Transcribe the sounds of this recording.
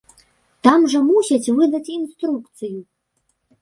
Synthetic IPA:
t̪amʐɐmusʲat͡sʲvɨd̪ɐt͡sʲinst̪ɾukt̪sɨju

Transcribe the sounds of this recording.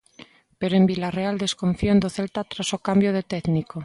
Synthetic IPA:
peɾoembilareald̪e̞skoɱfiond̪oθe̞lt̪at̪ɾasokambjoð̞et̪eðniko

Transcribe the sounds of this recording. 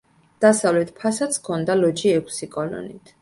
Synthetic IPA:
d̪̥asavlɛt̪̚ʰpʰasat̪sʰkʰɔnd̪alɔd͡ʒiɛkʷʰsikʼɔlɔ̰nit̪ʰ

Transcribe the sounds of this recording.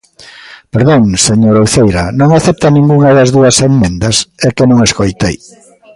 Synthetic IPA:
peɾðoŋseɲoɾowθejɾɐnõŋaθɛp̚t̪ɐnĩŋɡuŋɐðɐzðuɐsemmẽnd̪ɐsɛkenõŋeskojt̪ej

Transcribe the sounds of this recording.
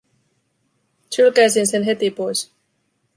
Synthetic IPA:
t͡ʃylkæjsinse̞nɦe̞t̪ipo̞js

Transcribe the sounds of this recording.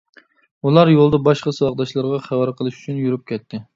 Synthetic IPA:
ulˠɑɾjolˠd̪ɑbɑʃqɑsɨwɑqd̪ɑʃlˠɑɾʁɑχæwɑɾqʰəlˠɨʃy̥t͡ʃʰynjuɾyp̚kʲʰɛt̪ʰːɪ

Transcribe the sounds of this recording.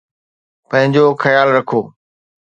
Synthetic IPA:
pɐ̃ɦɪ̃ɲd͡ʑoːxəjaːlɾɐkʰoː

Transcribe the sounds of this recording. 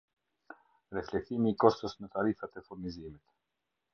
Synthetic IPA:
ɾɛflɛk̚t̪imiːkɔst̪əsmət̪aɾifat̪ɛfuɾnizimit̪

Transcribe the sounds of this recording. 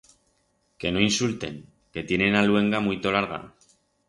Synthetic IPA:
ke̞no̞insult̪e̞ŋ | ke̞t̪je̞ne̞nalwe̞ŋɡamuijt̪o̞laɾɣ̞a̰

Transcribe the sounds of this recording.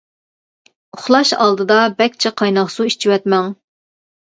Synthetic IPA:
ʊχlˠɑʃɑ̰lˠd̪ɨd̪ɑbɛkʲt͡ʃʰɛqʰɑjnɑχsuit͡ʃʰiwɛt̪mɛŋ

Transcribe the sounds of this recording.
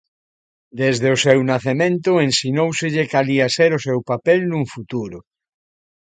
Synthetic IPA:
d̪ezðeosewnaθemẽnt̪oensinowseʎekaliaseɾosewpapelnũŋfut̪uɾʊ

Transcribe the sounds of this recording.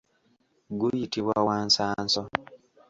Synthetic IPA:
ɡujitiβwawaːnsaːnsɔ

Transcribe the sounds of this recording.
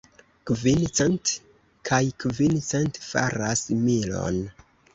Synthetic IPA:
kvint͡sent | kʰajkvint͡sentfa̰ɾasmilo̞̰n

